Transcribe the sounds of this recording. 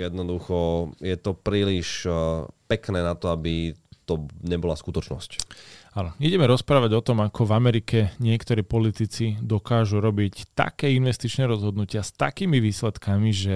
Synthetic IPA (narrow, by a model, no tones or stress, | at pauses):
jɛd̪nɔd̪uxɔjɛt̪ɔpɾiːliʃ | pɛknɛːnat̪ɔabit̪ɔɲɛbɔlaskut̪ɔt͡ʃnɔ̰scanɔiɟɛmɛɾɔspɾaːʋaɟɔt̪ɔmakʰɔvamɛɾikɛɲɪɛkt̪ɔɾiːpɔlit̪it͡sid̪ɔkaːʒuɾɔbict̪a̰kɛːinʋɛst̪it͡ʃnɛːɾɔzɦɔd̪nucɪast̪a̰kiːmiʋiːslɛt̪kamiʒɛ